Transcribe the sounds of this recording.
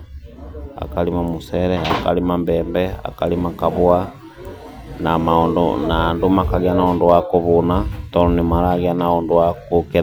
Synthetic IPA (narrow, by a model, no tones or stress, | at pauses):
a̰kalimamuseɾeaka̰limambeːmbea̰kalimakaβua | namaundṵnandumakaɣjanaunduwakuβunatoɾonimaɾaːɡianaunduwakukiɾ